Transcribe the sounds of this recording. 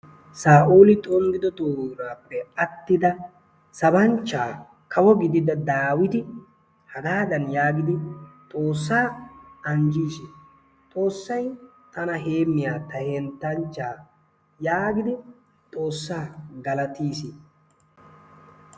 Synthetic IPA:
saːʔuːlɪt̪ʼɔŋɡɪd̪ɔt̪oːɾaːpːɛɐt̪ːɪd̪ɐ | sɐbɐnt͡ʃːaː | kʰɐwɔɡɪd̪ɪd̪ɐd̪aːwɪt̪ɪ | hɐɡaːd̪ɐnjaːɡɪd̪ɪt̪ʼo̞ːsːaːɐnd͡ʒiːsi | t̪ʼo̞ːsːɐj | t̪ɐnɐɦeːmːɪjaːt̪ɐhɛnt̪ːɐnt͡ʃːaː | jaːɡɪd̪ɪ | t̪ʼo̞ːsːaːɡɐlɐt̪iːsi

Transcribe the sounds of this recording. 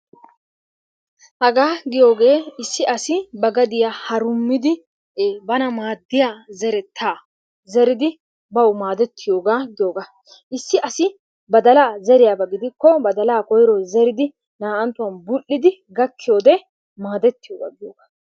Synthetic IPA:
hɐɡaːɡɪjo̞ːɡe̞ːɪsːɪɐsɪbɐɡɐd̪ɪjahɐɾʊmːɪd̪ɪː | bɐnɐmaːd̪ːɪjazɛɾɛt̪ʰːaː | zɛɾɪd̪ɪ | bɐwmaːd̪ɛt̪ːɪjo̞ːɡaːɡɪjoːɡa | ʔɪsːɪʔɐsɪ | bɐd̪ɐlaːzɛɾɪjaːbɐɡɪd̪ɪkːɔbɐd̪ɐlaːkɔjɾɔzɛɾɪd̪ɪ | naːʔɐnt̪ːʊwɐnbʊlːɪd̪ɪɡɐkːɪjo̞ːd̪ɛ | maːd̪ɛt̪ːɪjoːɡa̰ːɡɪjoːɡaː

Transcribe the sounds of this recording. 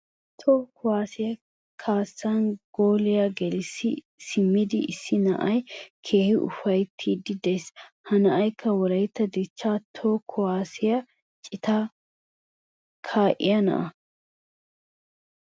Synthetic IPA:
t̪ʰoːkʰʊwaːsɪjɐ | kʰaːsːanɡ̥oːlɪjɐɡɛlɪsɪ | sɪmːɪd̪ɪʔɪsːɪnɐ̰ʔɐjkʰe̞ːhɪʔʊ̰fɐjt̪ʰːiːd̪ɪd̪eshɐnɐʔɐjkʰːɐwɔɾɐjt̪ːɐd̪ɪt͡ʃːat̪ʰoːkʰʊwaːsɪjɐ | t͡ʃʼɪt̪a | kʰaːʔɪ̰jɐnɐ̰ʔɐ

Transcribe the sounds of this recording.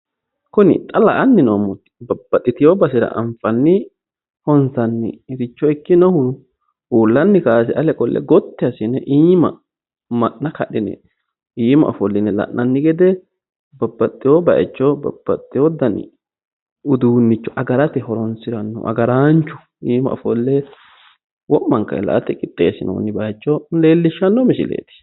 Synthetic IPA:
kʊnɪ̰t̪ʼɐlɐʔɐnːɪnomːʊt̪ːɪ̥bɐbːɐt̪ʼːɪt̪ɪjoːbɐsɪɾɐ̰ʔɐ̰ɱfɐnːɪ | hɔnsɐnːɪ̰ɾɪt͡ʃːɔɪkːɪnɔhʊ | uːlːɐnːɪkaːs̬ɛʔɐlɛkʼɔlːɛ̰ɡɔt̪ːɪɐsɪnɛʔiːmɐ̰ | mɐʔːɐkɐɗɪnɛ̰ | iːmɐ̰ʔɔfɔlːɪnɛlɐ̰ʔnɐnːɪɡɛd̪ɛ | bɐbːɐt̪ʼːɪjobɐ̰jɛ̰t͡ʃːɔbɐ̰b̥ːɐ̰t̪ʼːɪjɔd̪ɐnɪ̰ | ʊd̪uːnːɪt͡ʃːɔ̥ʔɐɡɐɾɐt̪ɛhɔɾɔnsɪɾɐnːɔ̰ʔɐ̰ɡɐɾaːnt͡ʃːʊ̥ | iːmɐ̰ɔ̰fɔlːɛ | wɔʔːɐŋkɐ̰ɛ̰lɐ̰ʔɐt̪ɛkʼɪt̪ʼːḛːsɪnʔɔʊ̰nːɪbɐjt͡ʃːɔleːlːɪʃːɐnːɔmɪʃɪ̰lḛːt̪ɪ̥

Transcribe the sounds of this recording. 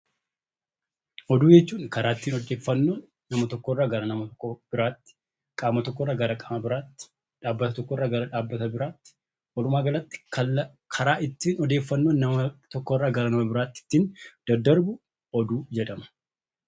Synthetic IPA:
ʔɔd̪uːd͡ʒɛt͡ʃːuːnkɐɾaːɪt̪ːiːnɔd̪eːfːɐnːoːnːɐmɐt̪ɔkːɔrːaːɡɐɾɐnɐmɐkːɔb̥ɪɾaːt̪ːɪ̥ | kʼaːmɐt̪ɔkːɔːrːaːɡɐɾɐkʼɐmɐbɪɾaːt̪ː | ᶑaːbːɐt̪ɐt̪ɔkːɔrːaːɡɐɾɐᶑaːbːɐt̪ɐbɪɾaːt̪ːɪ̥ | wɐɾʊmaːɡɐlɐt̪ːɪ̥kʰɐ | kʰɐɾaːɪt̪ːiːnɔd̪eːfːɐnːoːnːɐmɐt̪ɔkːɔːrːaːɡɐɾɐnɐmɐbɪɾaːt̪ːɪ̥t̪ːiːnd̪̥ɐd̪ːɐɾbʊ | ɔd̪uːd͡ʒɛᶑ̪ɐmɐ̥

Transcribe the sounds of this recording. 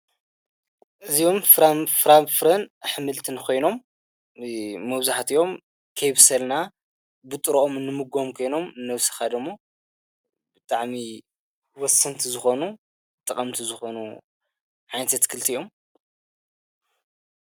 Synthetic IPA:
ʔɨzio̞mfɾafɾafɾɐnħɨmɨlt̪ʰɨnkʰo̞jno̞m | ɐβzaħt̪ʰijo̞m | kʰɐjβɨsɐlna | bɨt̪ʼɨɾoʔomɨnːɨmɨɡo̞mkʰo̞jno̞mɨnɐwsɐ̥xad̪ɐmu | bɨt̪ʼaʕmi | wɔsːɐnt̪ʰizɨxo̞nu | t̪ʼɐkʼɐmt̪ʰizɨxo̞nu | ʕajnɐt̪ʰɐt̪kʰɨlt̪ʰijʔo̞m

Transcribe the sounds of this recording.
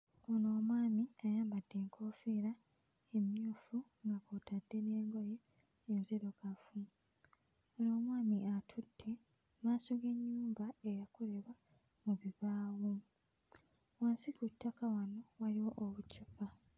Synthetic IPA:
ono̞ːmwaːmiajaːmbad̥ːe̞ːŋkʰo̞ːfeɾa | emjuːfuŋɡakotʰadːe̞ne̞ːŋɡojeː | nzeɾokafu | ono̞ːmwaːmiʔatʰudːe̞ | maːsoɡe̞ɲːuːmbaejakole̞βa | muβiβaːwu | waːnsikutːakawano̞waliwo̞ʔoβucupa

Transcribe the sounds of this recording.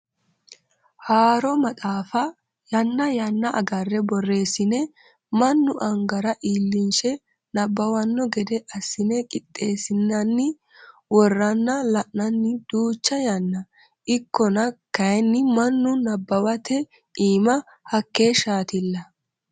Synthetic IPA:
haːɾɔmɐt̪ʼaːfɐ | jɐnːɐjɐnːɐʔɐ̰ɡɐrːɛbɔrːe̞ːsɪnɛ | mɐnːʊʔɐŋɡɐɾɐʔiːlːɪnʃɛ | nɐbːɐwɐnːɔɡɛd̪ɛʔɐsːɪnɛkʼɪt̪ʼːe̞ːsɪnːɐnːɪ | wɔrːɐnːɐlɐʔnɐnːɪd̪̥uːt͡ʃːɐjɐnːɐ | ʔɪkːɔnɐkɐjnːɪmɐnːʊnɐbːɐwɐt̪ʰɛ | iːmɐ | hɐkːe̞ːʃaːt̪ɪlːɐ

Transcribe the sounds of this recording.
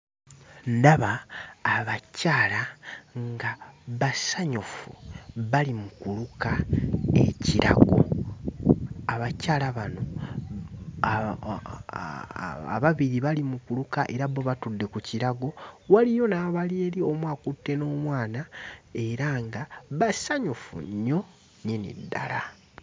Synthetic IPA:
ndaβaː | βacaːlaŋɡaβasaɲufṵβalimukulukae̞̰ciɾʔa̰ɡo̞̰ | aβacaːlaβano̞ | a̰βaβiɾiβalimukulukaʔe̞ɾaβo̞βatudːe̞kuciɾaɡo̞walijo̞naːβalieːlio̞mwaːkutːe̞no̞ːmwaːnae̞ɾaŋɡaβasaɲufṵɲo̞ | ɲinḭdːa̰la

